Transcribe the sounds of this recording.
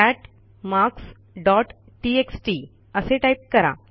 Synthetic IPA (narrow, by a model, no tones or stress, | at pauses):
ɛʈ | maks | ɖɔʈ | ʈieksʈi | əseʈaip̚kəɾa̰